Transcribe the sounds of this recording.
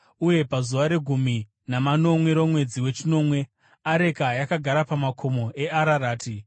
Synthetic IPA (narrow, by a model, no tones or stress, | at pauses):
uje̞pazuʋaɾe̞ɡʱumi | namano̞mwe̞ɾomwe̞d͡ziwe̞t͡ʃino̞mwe̞ | aɾe̞kajakaɡʱaɾapamakʰo̞mo̞ʔe̞ʔaɾaɾaːti